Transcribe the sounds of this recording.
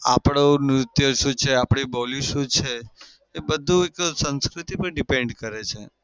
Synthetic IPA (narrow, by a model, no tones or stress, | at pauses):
a̰pɽ̃onɾʊt̪jəʃũt͡ʃʰeapɽibɔliʃũt͡ʃʰeː | bəd̪ʱːũeksə̃nskɾut̪ipəɳɖipeɳɖkəɾet͡ʃʰe